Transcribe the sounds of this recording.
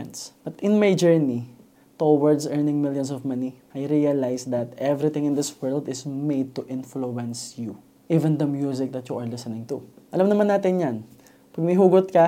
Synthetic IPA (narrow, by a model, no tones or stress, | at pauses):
nsbɐt̪ɪ̃nmajd͡ʒɛɹni | t̪owɐɹd̪sʔɛɹnɪ̃ŋmɪljɔ̃nsɔvmɐniʔajɾiɐlajsd̪ɐt̪ɛvɾɪt̪ɪ̃ŋɪ̃nd̪ɪswɜɹld̪ɪsmejd̪̚t̪uʔɪ̃nfluɛ̃nsju | ʔiːvɛ̃nd̪ɐmjus̬ɪk̚d̪ɐt̪juʔɐɹlɪsənɪ̃ŋt̪ʊʔɐlamnɐmanːaːt̪ɪnjan | pɐɡ̚mɐɦuːɡot̪̚kɐ